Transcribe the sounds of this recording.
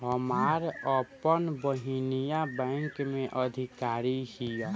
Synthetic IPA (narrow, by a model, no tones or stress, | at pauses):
ɦəmaːɾəpənbəɦinijabɛ̃ŋkmẽʔəd̪ʱikaːɾihija